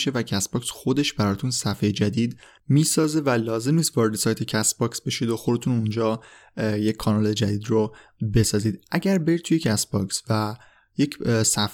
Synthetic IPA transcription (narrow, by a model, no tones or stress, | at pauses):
ʃe̞væcʰæsbɒːksxo̞d̪e̞ʃbæɾɒːt̪ʰunsæfejed͡ʒæd̪iːd̪ | miːsɒːze̞vælɒːze̞mniːst̪vɒːɾe̞d̪esɒːjt̪ʰe̞cʰæsbɒːksb̥e̞ʃid̪oxod̪e̞t̪ʰunund͡ʒɒː | jecʰːɒːnɒled͡ʒæd̪iːd̪robe̞sɒːziːd̪ʔæɟæɾbeɾid̪̚t̪ʰuje̞cʰæsbɒksvæ | jecsæf